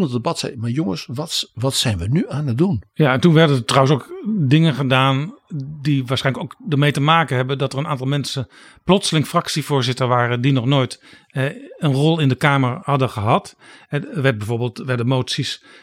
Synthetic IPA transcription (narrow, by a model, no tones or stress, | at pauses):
ndəbɑtsɛ̰jmajoŋəsʋɑtʋɑtsɛjnʋənyaːnədunjaɛntunʋɛɹdənətrawənsokdɪŋəχədaːndiʋaːsχɛɪjnləkowkdəɹmejtəmaːkənɦɛbəndɑtərənaːntɑlˠmɛnsən | plɔtsəlɪŋfrɑksivʊːɹzɪtəɹʋaːrəndinɔχnoːjt | ənrɔlˠɪndəkaːməɹhɑdəχəɦɑtɛəɹʋɛt̚bɛjvoːɹbːlˠtʋɛdəmowtsis